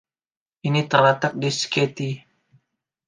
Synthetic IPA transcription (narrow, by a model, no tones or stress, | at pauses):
ʔinit̪ərlət̪ak̚disket̪i